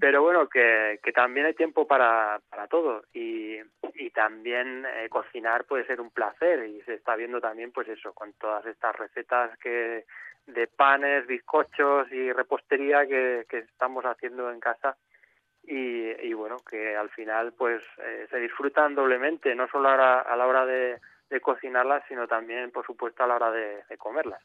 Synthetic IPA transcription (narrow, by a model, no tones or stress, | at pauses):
pe̞ɾo̞βwe̞noke̞ke̞t̪ambje̞najt̪jempo̞paɾapaɾat̪o̞ð̞o̞iː | t̪ambje̞nḛko̞θinaɾpwe̞ðe̞se̞ɾumplaθe̞ɾise̞ːst̪aβ̞je̞nd̪ot̪ambje̞mpwe̞se̞so̞ko̞nt̪o̞ðase̞st̪azre̞θe̞t̪aske | ðe̞pane̞zβiθko̞t͡ʃo̞sire̞po̞st̪e̞ɾiake̞ke̞st̪amo̞saθje̞nd̪oe̞ŋkasa | iiβwe̞noke̞alfinalpwe̞sḛse̞ð̞isfɾut̪and̪o̞βle̞mẽ̞nt̪e̞no̞so̞loaoɾaa̰lao̞ɾaðe̞ | ðe̞ko̞θinaɾlasːino̞t̪ambje̞mpo̞ɾsupwe̞st̪oalao̞ɾaðe̞ðe̞ko̞me̞ɾlas